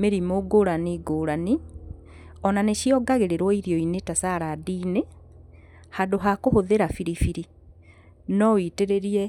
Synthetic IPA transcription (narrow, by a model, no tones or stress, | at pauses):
meɾimoɡoɾaniɡoːɾani | ɔnaneɕiɔɡaɣeɾeɾwɔiɾjɔinetasaɾadine | hadoɦakohoðeɾafiɾifiɾi | nɔwiteɾeɾiɛ